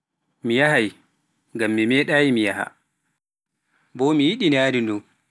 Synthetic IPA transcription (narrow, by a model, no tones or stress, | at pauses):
mijahaj | ŋɡamːimɛːɗajimijaha̰ | bɔmijiɗinaːɾindu